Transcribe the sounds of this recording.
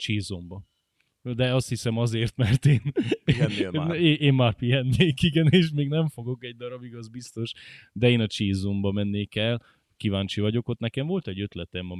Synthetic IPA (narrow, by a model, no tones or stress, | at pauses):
t͡ʃiːzombɒ | d̪ɛɒst̪hisɛmɒzeːrt̪mɛrt̪eːn | eːmmaːrpiɛnːeːkiɡɛneːʃmeːɡnɛɱfo̞ɡo̞kɛɟ̚d̪ɒɾɒbiɡɒzbist̪o̞ʃd̪ɛeːnɒt͡ʃiːzombɒmɛnːeːkɛl | kivaːnɲt͡ʃivɒɟo̞ko̞t̪nɛkɛɱvo̞lt̪ɛɟːø̞t̪lɛt̪ɛmɒ